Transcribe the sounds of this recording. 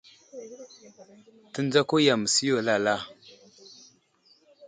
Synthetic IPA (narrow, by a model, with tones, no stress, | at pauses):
tə˦nd͡za˦ko˦ja˨mə˨si˦jo˨la˦˨la˦˨